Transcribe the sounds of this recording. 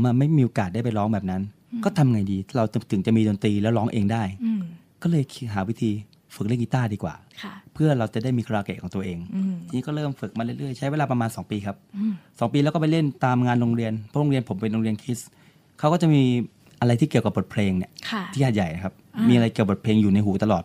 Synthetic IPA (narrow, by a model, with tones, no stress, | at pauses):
maː˧ma˥˩jmiː˧ʔoː˧kaː˨˩t̪̚da˥˩pa˧jlɔː˦˥ŋbɛː˨˩p̚na˦˥n | kɔː˥˩t̪ʰa˧mʔŋa˧jdiː˧t̪ʰaː˥˩ɾa˧wt̪t̪ʰɯ˩˦ŋt͡ɕa˨˩miː˧doː˧nt̪ɾiː˧lɛ˦˥wlɔː˦˥ŋʔeː˧ŋdaː˥˩j | kɔː˥˩lɤː˧jk̚ʰɦaː˩˦wi˦˥t̪ʰiː˧ | fɯ˨˩k̚li˥˩˨ŋki˦˥t̪aː˥˩diː˧kwa̰ː˨˩˥pʰɯ˥˩ɐɾa˧wt͡ɕa˨˩daː˥˩jmiː˧kʰɾaː˧ke˨˩kʰɔː˩˦ŋt̪u˧ʔeː˧ŋt͡ɕ̪ʰi˧ŋiː˦˥kɔː˥˩ɾɤː˥˩mfɯ˨˩k̚maː˧lɯ˥˩jlɯ˥˩jt͡ɕʰa˦˥jweː˧laː˧pɾa˧maː˧nsɔː˩˦ŋpiː˧kʰa˦˥p̚sɔː˩˦ŋpiː˧lɛ˦˥wkɔ˥˩p̬a˧jle˥˩nt̪aː˧mŋaː˧nɾo˧ŋɾi˧ənpʰɔ˦˥ɾo˧ŋɾi˧ənpʰo˩˦mpe˧nɾo˧ŋɾi˧ənkʰi˦˥s | kʰa˦˥wkɔː˥˩t͡ɕa˨˩ʔmiː˧ | ʔa˧ɾa˧jt̪ʰiː˥˩ki˨˩əwka˨˩p̚bo˨˩pʰleː˧ŋni˥˩kʰa˥˩t̪ʰiː˥˩ʔaː˨˩ja˨˩jna˦˩kʰa˦˥p̚miː˧ʔa˧ɾa˧jki˨˩əbo˨˩t̪̚pʰleː˧ŋjuː˨˩na˧jɦuː˨˩˦t̪a˧lɔː˨˩t̪̚